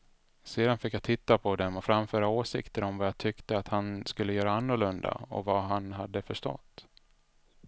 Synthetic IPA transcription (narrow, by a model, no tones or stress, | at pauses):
seːd̪anfɪkjat̪ʰɪt̪ːapʰɔd̪ɛmɔfɾamfœːɾaoːʂɪ̰kt̪əɾɔmvajat̪ʰʏkt̪əat̪hanskɵlːəjœːɾaanːʊɭɵnd̪a̰ɔ̰vaɦanɦad̪ːəfœʂʈɔ̰t̪ː